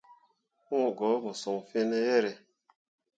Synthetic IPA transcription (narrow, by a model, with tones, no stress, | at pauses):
mu˦˨ɡɔ˨˦bɔ˨sɔ˨ŋ˨fe˦nɛ˦jɛ˦ɾɛ˨